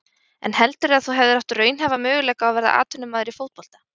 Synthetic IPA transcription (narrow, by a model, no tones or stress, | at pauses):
ɛ̰nhɛlt̪ʏɾɪaðθuɦɛvðɪɾawht̪rœːɥnɦɛvamʏːɣʏlɛːkaawvɛɾða̰ʔa̰ːt̪ʰʏnːʏmːaːðʏɪɾifoːwt̪̚pɔl̥t̪ḁ